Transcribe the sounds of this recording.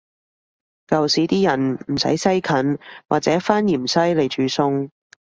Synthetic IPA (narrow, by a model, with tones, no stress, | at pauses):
kɐ˨wsiː˨˥t̪iː˥jɐ˨˩nm̩˨˩sɐ̰˨˥jsɐ˥jkʰɐ˨˥nwaː˨t͡sɛː˨˥faː˥nji˨˩msɐ˥jle˨˩jt͡ʃyː˨˥sʊ˧ŋ